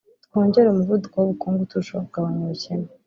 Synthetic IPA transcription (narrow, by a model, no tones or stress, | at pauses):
tko̞ːɲɟe̞ɾeumuvudukowoβukuːŋɡutuʃobɡaβaɲuɾuceme